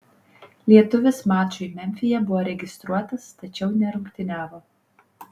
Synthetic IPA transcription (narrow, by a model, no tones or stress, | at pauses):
lʲiɛt̪ʊʋʲɪsmɑːt͡ʃʊɪmʲɛmʲfʲɪjɛbʊʋoːɾʲɛɡʲɪst̪ɾuɔt̪ɐst̪ɐt͡ʃʲɛʊnʲɛɾʊŋkt̪ʲɪnʲæːʋoː